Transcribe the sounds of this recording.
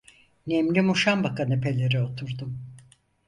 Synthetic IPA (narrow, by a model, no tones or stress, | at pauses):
nemlʲimuʃambakanɯpʰe̞lʲe̞ɾɛo̞t̪ʰuɾd̪um